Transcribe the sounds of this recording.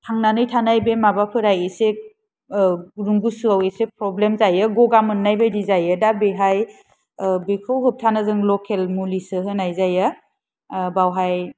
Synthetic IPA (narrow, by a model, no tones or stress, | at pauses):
tʰaŋnanɯjtʰanajbemabapʰɯɾajese | ɾuŋɡusuawesepɾɔblemzajɯɡɔɡamɯnnːajbajdizajɯdabeɦaj | bikʰɯwɦɯp̚tʰanɯzɯŋlɔkʰelmulisɯɦɯnajzajɯ | bawɦaj